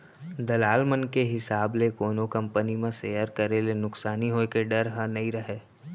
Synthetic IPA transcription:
d̪ɐlaːlmənkeɦɪsaːblekoːnokɐ̃mpənimẽseːjəɾkɐɾelenʊksaːniɦoːkeɖɐɾɦə̃nɐĩɾɐɦeː

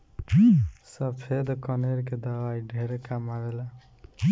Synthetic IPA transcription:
səbpʰed̪kʌneɾked̪əbaiɖʱeɾekamaɾela

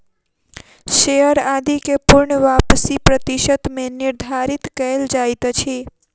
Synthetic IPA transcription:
ʃejəɾad̪ikepʊɾɳəʋapsipɾət̪iʃət̪meniɾd̪ʱaɾit̪kəeld͡ʒajt̪t͡ʃʰi

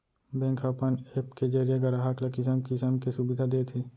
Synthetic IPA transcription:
bẽːŋkʰapaneːpked͡ʒəɾijeɡɐɾaɦaklakɪs̬əmkɪsəmkesubɪd̪ʱad̪et̪ʰeː

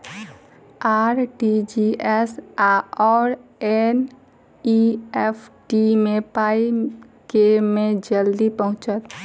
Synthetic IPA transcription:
aːɾʈid͡ʒiɛsaɔːɾɛn | iɛpʰʈimẽpaːikemẽd͡ʒəld̪ipəɦʊ̃t͡ʃət̪

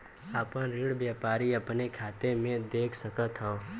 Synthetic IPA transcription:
aːpənɾiɽbjaːpaːɾiəpnekʰaːt̪emẽd̪eːkʰsəkət̪ɦɔ̃ː

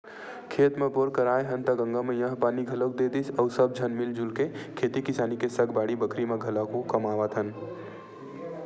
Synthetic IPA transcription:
kʰet̪mepoɾkəɾaːeɦənt̪əɡə̃ŋɡamejə̃ɦpaːniɡʱələk̚d̪ed̪isəʊsəb̚d͡ʒʱənmild͡ʒulkekʰet̪ikisaːnikesəɡbaːɽibəkɾimeɡʱələkokəmaːʋət̪ɦən

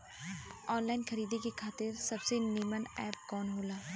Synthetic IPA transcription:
ɔːnlaːɪnkʰɐɾiːd̪ekekʰaːt̪ɪɾsɐbseneːmənɛ̰ːp̚kɔːnɦoːlaː

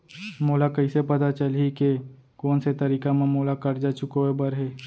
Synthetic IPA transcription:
moːlakɐisepɐt̪at͡ʃəlike | koːnset̪ɐɾiːkamẽmoːlakɐɾd͡ʒaːt͡ʃʊkoebɐɾɦɛː

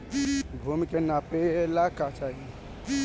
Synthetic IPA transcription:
bʱumikenapeelakat͡ʃaɦi

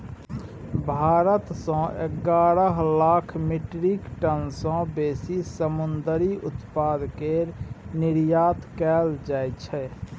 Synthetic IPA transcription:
bʱaːɾət̪sɔ̃eɡaːɾəɦlaːkʰmɪʈɾikʈənsɔ̃beːsisəmʊnd̪əɾiʔʊt̪paːd̪keɾnɪɾjaːt̪kɛːld͡ʒaːjt͡ʃʰɛ

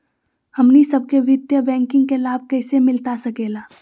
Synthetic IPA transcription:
hɐmnisɐb̚keʋɪd̪jəbɛ̃ːŋkɪ̃ŋɡ̚kelaːb̚kɛːsemɪlt̪asɐkeːlaː

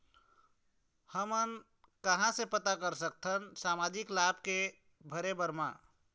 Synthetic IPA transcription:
həmən | kəɦãsepət̪akəɾsək̚t̪ʰənsaːmaːd͡ʒɪklaːb̚ke | bʱəɾebəɾmã̰

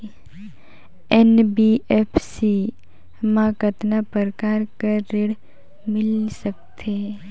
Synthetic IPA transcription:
ɛnbiɛpʰsi | mãːkət̪napəɾkaːɾkəːɪɽ | mɪlsɐk̚t̪ʰe

